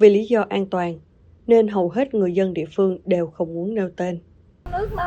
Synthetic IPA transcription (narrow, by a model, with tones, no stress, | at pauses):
ve˨˩li˨˦zɔ˧ʔaː˧nt̪waː˨˩n | ne˧nɦə˨˩wɦe˦˥t̚ŋɨ˨˩əjzə˧nɗḭ˧˨əfɨ˧əŋɗe˨˩wxə˧wŋ͡mmu˨˦ənne˧wt̪e˧n